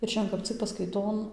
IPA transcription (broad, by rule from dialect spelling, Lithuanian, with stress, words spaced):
ɪr ˈʃʲɛn kɐp ˈt͡sʲɪk pɐskɐɪˈtoːn